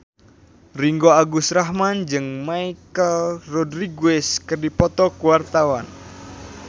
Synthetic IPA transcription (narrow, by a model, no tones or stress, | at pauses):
riŋɡoaɡusɾaɦmand͡ʒɨŋmaikəlrɔdriɡuɛskərdipɔt̪ɔkuwart̪awan